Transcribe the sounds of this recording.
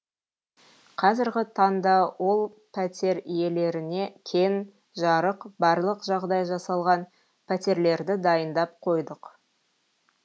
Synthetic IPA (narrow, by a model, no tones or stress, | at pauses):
qʰɑzɪɾɡʲɪt̪ʰɑnd̪ɑwo̞lˠ | pʰæt̪e̞ɾije̞le̞ɾɪne̞kʲʰe̞n | ʒɑɾəqbɑɾlˠəqʒɑʁd̪ɑjʒɑsɑlˠʁɑn | pʰæt̪e̞ɾle̞ɾd̪ɪd̪ɑjənd̪ɑp̚qʰo̞jd̪əq